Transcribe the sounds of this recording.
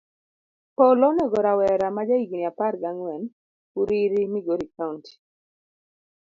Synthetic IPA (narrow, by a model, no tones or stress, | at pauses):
pɔlɔnɛɡɔɾawɛɾamad͡ʒaiɡiniapaɾɡaŋwɛn | uɾiɾimiɡoɾikaunti̥